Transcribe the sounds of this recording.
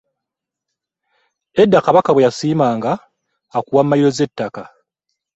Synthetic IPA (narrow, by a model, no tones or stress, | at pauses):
e̞dːakaβakawejasiːmaːŋɡaː | kuwammːajiɾo̞ze̞tːaka